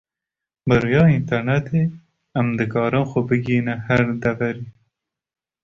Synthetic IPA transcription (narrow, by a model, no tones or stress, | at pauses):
bɨɾujɑːint̪ʰɐɾnɛt̪ʰeː | æmd̪ɨkɑːɾɨmxɔbɨɡiːnɨhæɾd̪ɐvɐɾiː